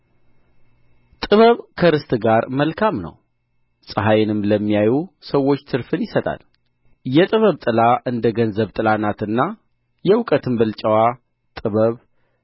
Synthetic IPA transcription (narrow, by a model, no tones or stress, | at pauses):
t̪ʼɨβəβkʰəɾɨst̪ʼɡaɾməlkʰamnə̰w | sʼɨɦajɪnɨmləmːijajusəwo̞t͡ʃːt̪ʰɨɾfɨnjɪsət̪ʼa̰l | jɛt̪ʼɨβəβt̪ʼɨlaʔɨnd̪əɡənzəβt̪ʼɨlanat̪ɨnːa | jɛwʊkʼət̪ʰɨmbɨlt͡ʃʼɛwa | t̪ʼɨβəβ